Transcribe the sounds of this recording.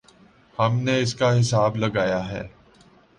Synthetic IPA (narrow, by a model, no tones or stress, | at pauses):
hɐmneɪskaɦɪsaːblɐɡaːjaɦɛ̰ː